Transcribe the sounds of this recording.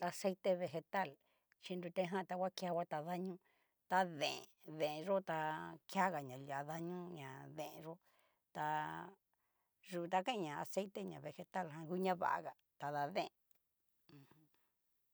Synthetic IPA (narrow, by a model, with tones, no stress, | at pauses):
a˧se˦jt̪e˦βe˧xe˧t̪a˦˨l | t͡ʃi˧nd̪u˧t̪ẽ˧˦ɦã˦˨t̪a˧kʷa˦kja˧wʷa˦t̪a˨ða˦ɲũ˦ | t̪a˧ðḛ̃˨ðẽ˨˧ʒo˦t̪a˧kja˦ɣa˨ɲã˨la˨ða˧ɲũ˦ɲã˨ðẽ˧˨ẽ˧ʐo˦ | t̪a˧ | ʐu˨˧t̪a˧kã˦ĩ˧˦ɲã˨a˨se˦jt̪e˦ɲã˨βe˧xe˧t̪a˦lɦã˧ku˦ɲã˦βa̰˨ʔa̰˧ɣa˨ | t̪a˨ða˧ðẽ˦ẽ˨˧ | h